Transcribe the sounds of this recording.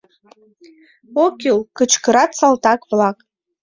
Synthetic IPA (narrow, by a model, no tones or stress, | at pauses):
okʲʰilkɨt͡ʃʰkɨɾat͡sʰaltakʼblakʼ